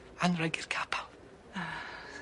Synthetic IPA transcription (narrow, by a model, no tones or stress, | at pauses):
anrəɡɪrkʰapʰalˠ | a